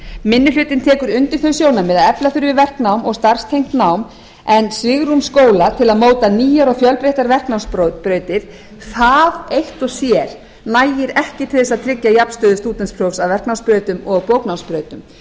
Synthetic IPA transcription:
mɪnːʏlʏːt̪ɪnt̪ʰɛːkʏɾʏnt̪ɪɾ̥θœɥsjoːwnamːɪðaðɛplaθʏɾɪvɪðvɛr̥knawmɔɣst̪ar̥st̪ʰejŋm̥t̪nawm | ɛnsvɪɣɾumskoːwlat̪ʰɪlaðmoːwt̪aniːjaɾɔɣfjœlpɾeht̪aɾvɛr̥knawspɾpɾœːɥt̪ɪɾ̥ | θaðejht̪ɔɣsjɛɾ̥ | najɪɾɛhcɪt̪ʰɪlθɛs̬ːaðt̪ʰɾɪcːajapnst̪œːðʏst̪uːt̪ɛnspʰɾ̥owfsaðvɛrknawspɾœːɥt̪ʏmɔɣɣpoːwknawmspɾœːɥt̪ʏm

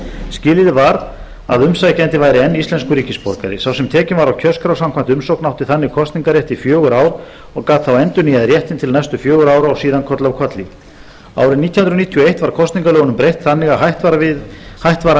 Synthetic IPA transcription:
scɪːlɪðɪvaɾ | aðʏmsajcɛnt̪ɪvaːjɾɪɛnːist̪ɛnskʏɾiːcɪspɔɾka̰ɾɪ̰sawsɛmt̪ʰɛːcɪnvaɾawcʰœskɾawsamkʰvam̥t̪ʏmsowknawht̪ɪθanːɪkʰɔst̪niŋkaɾjɛht̪ifjœːɣʏɾaːwɾ | ɔɣkaːt̪θawɛnt̪ʏniaðrjɛht̪ɪnt̪ʰɪlnajst̪ʏfjœːɣʏɾaːwɾaɔɣsiːðankʰɔt̪lawkʰɔt̪li | a̰ːwɾɪniːt̪ʰjhʏnɾniːt̪ʰijɔejht̪vaɾ̥kʰɔst̪niŋkalœːɣnʏmpɾejht̪θanːɪɣaɦajht̪vaɪhajht̪vaɾa

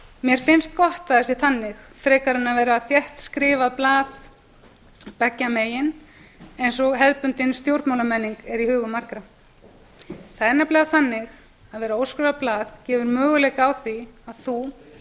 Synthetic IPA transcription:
mjɛɾ̥fɪnst̪̚kɔht̪aðɛsɪθanːɪxfɾɛːkaɾɪnaðvɛːɾaθjɛht̪skɾɪːvaðplaːð | pɛcːameːjɪnejnsɔɣɦɛðpʏnt̪ɪnst̪jowɾt̪mawlamɛnːiŋkɛɾihʏːɣʏmaɾ̥kɾa | θaðɛɾnːaplaːðθanːɪx | aðvɛːɾaowskɾɪvaðplaːðcɛːvʏɾmœːɣʏlejkawθiaðθu

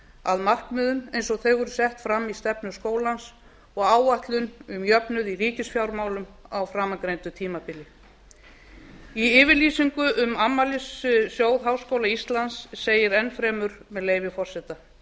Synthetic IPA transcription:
a̰ðmar̥kmʏːðʏnejnsɔɣθejɣʏɾsɛht̪fɾamːist̪ɛpnʏskoːwlans | ɔɣaːwvaht̪lʏnʏmjœpnʏðiriːcɪsfjawɾmaːwlʏmawfɾaːmaŋkɾejnt̪ʏt̪ʰiːmapɪlɪ | iɪːvɪɾliːsiŋkʏʔʏmamːalɪssjoːwðɦawskoːwlaist̪lansːeːjɪɾɛnːfɾɛːmʏɾ̥mɛðleːjvɪfɔr̥sɛt̪a

